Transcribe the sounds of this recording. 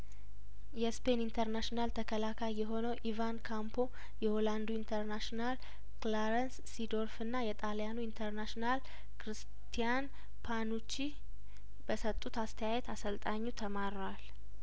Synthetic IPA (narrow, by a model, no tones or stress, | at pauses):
jɛspe̞nint̪ʰəɾnaʃinalt̪ʰəkʰəlakʰajːɛɦo̞nəwʔivankʰampʰo̞ | jɛho̞land̪uint̪ʰəɾnaʃonal | klaɾənsːid̪o̞ɾfɨnːajɛt̪ʼaljanuint̪ʰəɾnaʃinal | kʰɾɨs | t̪ʰijan | pʰanut͡ʃːi | bəsət̪ʼːut̪ast̪ʰəjajɛt̪ʰasəlt̪ʼaɲːut̪ʰəmaɾwal